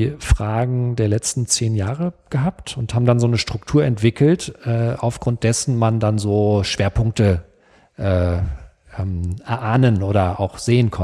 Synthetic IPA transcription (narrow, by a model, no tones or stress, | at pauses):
fʁ̥aːɡŋ̩deːɐlɛt͡stn̩t͡seːnjaːʁəɡ̥əɦaptʰʊnthaːbm̩danzoːnəʃtʁ̥ʊktʰuːɐɛntv̥ɪkʰl̩tʔɛːa̰ʊfɡ̥ʁʊnt̚d̥ɛsn̩mandanzoːʃv̥eːɐpʰʊŋk̚tə | ʔɛː | ʔɛːmʔɛɐʔaːnənʔoːɾɐʔa̰ʊxz̥eːənkʰɔn